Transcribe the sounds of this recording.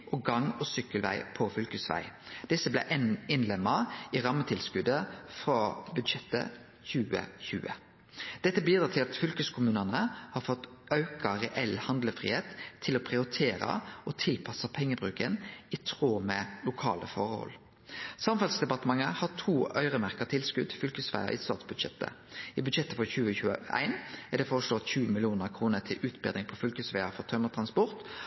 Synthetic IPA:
ʔɔɡɑŋɔsʏkːəlʋæ̰ɪpʰɔfʏlkəsʋæ̰ɪd̪̥ɪsːəblæ̰ʔɛnɪnlɛmːəiɾɑmət̪ʰɪlskʉd̪əfɾɑːbʉd̪ʃɛt̪ːə̰ | çʉːə̰çʉ̰ːə̰ | d̪̥ɛt̪ːəbiːd̪ɾɑːt̪ʰɪlɑt̪fʏlkʉskʰʊmʉːnənəhɑɾfɔt̪ɑʉkɑɾɛʔɛlhɑnd̪ləfʁḭːheːt̪ʰːɪlɔpʰʁɪʊɾɪt̪ʰeːɾə̰ʔɔt̪ʰɪlpʰɑsɑpʰɛŋːəbʁʉːkənɪt̪ʰʁoːmɛlʊkʰɑ̰ːlə̰fɔʁəhɔ̰l | sɑmfɑlsd̪ɛbɑt̪əmɑŋəhɑt̪ʰuːœʏʁəmæʁkɑt̪ʰɪlskʉd̪̚t̪ʰɪfʏlkəsʋæ̰ɪə̰ʔɪ̰st̪ɑ̰ːt̪sbʉd̪ʃɛ̰t̪ːə̰ɪbʉd̪ʃɛt̪ːəfɔçʉːəçʉːə̰ʔæ̰ɪnæd̪ɛfɔʁəʂloːt̪çʉːəmɪlɪuːnəʁkʰʁuːnət̪ʰɪlʔʉːt̪bɛ̰d̪ɪŋpʰɔfʏlkəsʋæɪəfɔʁt̪ʰœʏmət̪ʰʁɑnspɔɾt̪

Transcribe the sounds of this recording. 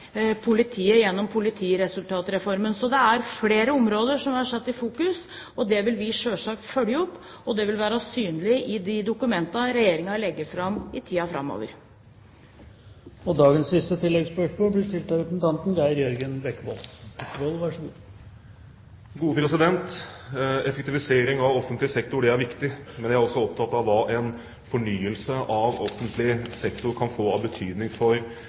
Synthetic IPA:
pʰʊlɪt̪ʰiːəjɛnːɔmpʰʊlɪt̪ʰiːɾɛsʉlt̪ʰɑːt̪ɾɛfɔɾmənsɔd̪ɛæɾfleːɾəɔmɾoːd̪əʂɔmɑʂɛt̪ːɪfuːkʉs | ɔd̪ɛʋɪlʋɪʂøːʂɑːk̚t̪fœljəɔpː | ɔd̪ɛʋɪlʋæːɾɑsyːnlɪʔɪd̪ɪd̪ʊkʉmɛnt̪ɑɾɛjeːɾɪŋɑlɛɡːəfɾɑmɪt̪ʰiːɑfɾɑ̰mːo̰ːʋə̰ɾ | ɔd̪ɑːɡənsːɪst̪ət̪ʰɪlːɛɡspœʂmoːlblɪʂt̪ɪlt̪ɑɾɛt̪ənt̪ʰɑnt̪nɡ̪æəɾjɔɾɡənbɛkːəbolbɛkːəboːlˠʋɑʂəɡṵː | ɡuːəpʰɾɛsɪd̪ɛnt̪ | ɛfɛk̚t̪ɪʋɪseːɾɪŋɑʋɔfːənt̪lɪəsɛkt̪ʊɖɛæɾʋɪkt̪ɪmɛnd̪jææɾɔsːɔɔp̚t̪ʰɑt̪ːɑʋɑʔɛn | fɔɳyːəlsəʔɑʋɔfːənt̪ʰlɪsɛkt̪ʊɾkʰɑnfoːɑbət̪ʰyːd̪nɪŋfɔɾ

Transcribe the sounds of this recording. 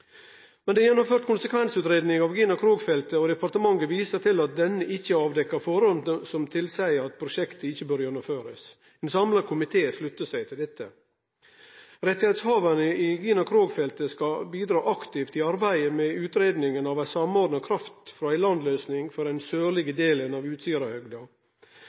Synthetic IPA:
mɛnd̪ɛjɛnːɔmføːɾt̪̚kʰʊnsəkʋɛnsʉːt̪ɾeːd̪nɪŋɑʋɡiːnɑkʰɾoːɡfɛlt̪əɔd̪ɛpɑɾt̪əmɑŋːəʋiːsət̪ʰɪlɑt̪̚d̪ɛnːəʔɪçːəɑːʋd̪ɛkːɑɾfɔɾɔnsɔmt̪ʰɪlsæɪəɾɑt̪̚pʰɾʊʃɛkt̪əɪçːəbøːɾjɛnːɔmføːɾəs | ɛɪnsɑmlɑkʰʊmɪt̪ʰeːslʉt̪ːəsæɪt̪ʰɪld̪ɛt̪ʰːə̰ | ɾɛt̪ːɪheːt̪shɑːʋənəʔɪɡiːnɑkʰɾoːɡfɛlt̪əskɑbiːd̪ɾɑːʔɑkt̪ɪft̪ɪɑɾbæɪəmɛʉːt̪ɾeːd̪nɪŋənɑʋæsɑmoːɾd̪nəkʰɾɑft̪fɾɔæɪlɑnd̪løːsnɪŋfɔɾæɪnsøːlɪɡəd̪eːlənɑʋʉːt̪st̪yːɾɑhœɡd̪ɑ

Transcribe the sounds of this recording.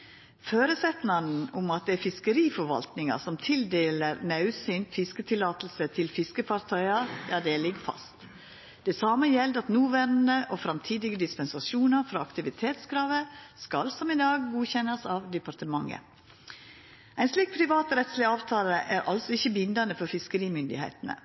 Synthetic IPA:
føːɾəsɛt̪nɑnn̩ʊmɑt̪̚d̪ɛæɾfɪskəɾiːfɔɾʋɑ̰lt̪nɪŋɑ̰sɔmt̪ʰɪld̪eːləɾnɑʉsɪnt̪fɪskət̪ʰɪlːɑːt̪l̩sət̪ʰɪlfɪskəfɑɾt̪ʰœʏɑjɑːd̪ɛːlɪɡfɑ̰st̪ | d̪̥ɛsɑːməjɛld̪ɑt̪nuːʋæɾnd̪əʔofɾɑmt̪ʰiːd̪ɪɡəd̪ɪspɛnsɑʃuːnɑɾfɾɑɑkt̪ɪʋɪt̪ʰeːt̪skɾɑːʋəskɑlsɔmɪd̪ɑːɡːuːçɛnɑsɑːʋd̪ɛpɑɾt̪əmɑŋːə̰ | æɪnsliːk̚pʰɾɪʋɑːt̪ɾɛt̪slɪɑːʋt̪ʰɑːləʔæɾʔɑlsɔɪçːəbɪnd̪ɑnəfɔɾfɪskəɾiːmʏnd̪ɪ̰hḛɪt̪ənə̰

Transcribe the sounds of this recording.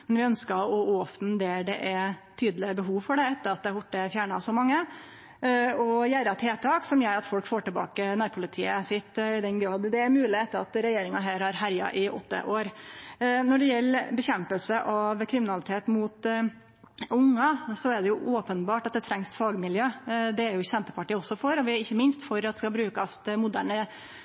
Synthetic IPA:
mɛnʋɪœnskəɔːɔfd̪nd̪ɛɖɛ̰ʔæt̪ʰyːd̪lɪəbəɦuːʋfɔɖɛɛt̪ːəɾɑt̪̚d̪ɛbʊʈːəfjæːɳɑsɔmɑŋːə | ɔjæːɾɑt̪ʰeːt̪ʰɑːksɔmjæɪɾɑt̪fɔlkfoːʈɪlbɑ̰ːkənæːɾpʰʊlɪt̪ʰiːəsɪt̪ːɪd̪ɛnɡɾɑːd̪d̪ɛæɾmʉːlɪɛt̪ːəɾɑt̪ɾɛjeːɾɪŋɑɦæːɾhɑɾɦæɾjɑ̰ʔɪʔɔ̰t̪ːə̰ʔoːɾ | nɔɖɛjɛlːbəçɛmpəlsəʔɑʋkʰɾɪmɪnɑlɪt̪ʰeːt̪mʊt̪ | ʊŋːɑsɔæɖɛjʊʔoːpənbɑːʈɑt̪̚d̪ɛt̪ʰɾɛŋstfɑːɡmɪljøːd̪ɛæɾjʊsɛnt̪əpʰɑʈiːɔsːɔfɔɾɔʋɪɪçːəmɪnst̪fɔɾɑt̪d̪ɛskɑlbɾʉːkɑst̪mʊd̪æːɳə

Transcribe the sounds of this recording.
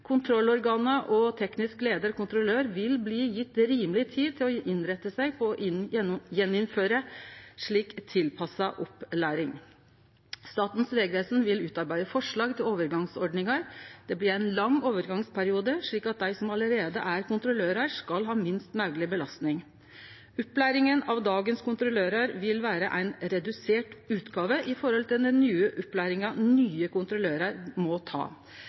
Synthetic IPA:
kʰʊnt̪ʰɾɔlːɔɾɡɑːnəʔɔt̪ʰɛknɪskleːd̪əɾkʰʊnt̪ɾʊløːɾʋɪlbliːjɪt̪ːɾiːməlɪt̪ʰiːd̪t̪ʰɪlɔʔɪnɾɛt̪ːəsæɪpʰɔɔʔɪjɛnɪnføːɾəʂɭiːkt̪ʰɪlpʰɑsɑʔɔplæːɾɪŋ | st̪ɑːt̪n̩sʋeːɡəʋeːsnʋɪlʉːt̪ɑɾbæɪd̪əfɔʂɭɑːɡt̪ʰɪloːʋəɾɡɑŋsɔɖnɪŋɑɾd̪̥ɛblɪɾæɪnlɑŋːoːʋəɾɡɑŋspʰæɾɪuːd̪əʂɭiːkɑt̪̚d̪æɪsɔmɑləɾeːd̪ə̰ʔæɾkʊnt̪ɾʊløːɾəɾʂkɑlɦɑːmɪnst̪mœɡlɪbəlɑst̪nɪŋ | ʊpːlæːɾɪŋənɑʋd̪ɑːɡənskʊnt̪ɾʊløːɾəɾʋɪlʋæːɾəʔæɪnɾɛd̪ʉseːʈʉːt̪ɡɑːʋəʔɪfɔɾhɔlt̪ʰɪld̪ɛnːyːəʔʉpːlæːɾɪŋɑnyːəkʊnt̪ɾʊløːɾəɾmɔt̪ʰɑ̰ː

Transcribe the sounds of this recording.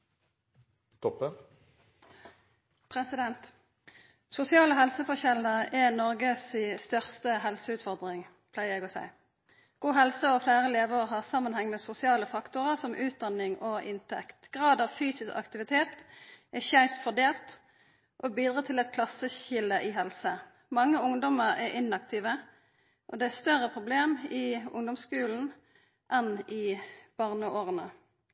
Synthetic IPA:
t̪ʰɔpə | pʰʁɛsɪd̪ɛnt̪ | sʊsɪɑːləɦɛlsəfɔʁçɛləʁɛnɔʁɡəsiːst̪œʁst̪əɦɛlsəʉːt̪fɔʁd̪ʁɪŋ | pʰlæɪʁjɛɡɔsæ̰ɪ | ɡ̥uːɦɛlsəɔflæːʁəleːʋəʁɦɑːʁsɑmːənhɛŋmeːsʊsɪɑːləfɑkt̪ʊʁəsɔmʔʉːt̪̚d̪ɑnɪŋʔoʔɪnt̪ʰɛkt̪ɡ̥ʁɑːd̪ɑːʋfyːsɪskɑ̰kt̪ɪʋɪt̪ʰeːt̪ʔɛçæɪpt̪fɔʁd̪eːlt̪ | ʔɔbiːd̪ʁɑːt̪ʰɪlɛt̪̚kʰlɑsəçɪləʔɪɦɛlsə | mɑŋːəʊŋd̪ɔməʁɛʁʔɪnɑkt̪ʰiːʋə | ʔɔd̪ɛæst̪œʁəpʰʁʊbleːmɪʊ̰ŋd̪ɔmskʉːln̩ | ʔɛnɪb̥ɑːʁnəoːʁənə

